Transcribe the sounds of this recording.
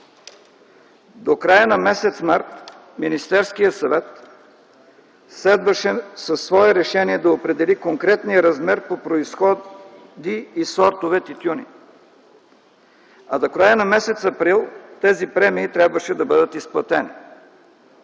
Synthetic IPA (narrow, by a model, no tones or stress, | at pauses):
d̪okɾajənɐmɛsɛt̪smaɾt̪ | minist̪ɛɾskijəsɐvɛt̪ | slɛd̪vəʃɛsɐsːvɔɛɾɛʃɛniɛd̪ɐopɾɛd̪ɛlikoŋkɾɛt̪nijəɾɐzmɛɾpopɾoisxɔ | d̪iːsɔɾt̪ovɛt̪it̪ʲjunḭ | ɐd̪okɾajənɐmɛsɛt̪sɐpɾilˠt̪ɛzipɾɛmiːt̪ɾʲabvəʃɛd̪ɐbɤd̪ət̪isplˠɐt̪ɛni